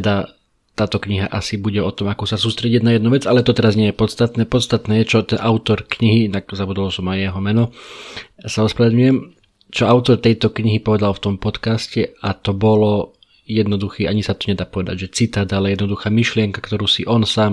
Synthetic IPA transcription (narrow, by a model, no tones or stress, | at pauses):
d̪a | t̪aːt̪ɔkɲiɦaʔasibuɟɛɔt̪ɔmakɔsasuːst̪ɾɛɟinajɛd̪nuːʋɛd͡zalɛt̪ɔt̪ɛɾazɲɪɛjɛpɔt̪st̪at̪nɛːpɔt̪st̪at̪nɛːjɛt͡ʃɔt̪ɛnʔaʊt̪ɔɾkɲiɦiinaɡzabud̪alɔsɔmajɛɦɔmɛnɔ | saɔspɾaad̪ɲujɛm | t͡ʃɔaʊt̪ɔɾt̪ɛjt̪ɔkɲiɦipɔʋɛd̪alft̪ɔmpɔt̪kascɛat̪ɔbɔlɔ | jɛd̪nɔd̪uxiːʔaɲisat̪ɔɲɛd̪aːpɔʋɛd̪a̰ɟʒɛt͡sit̪aːd̪alɛjɛd̪nɔd̪uxaːmiʃlɪɛŋkakt̪ɔɾuːsiʔɔnsaːm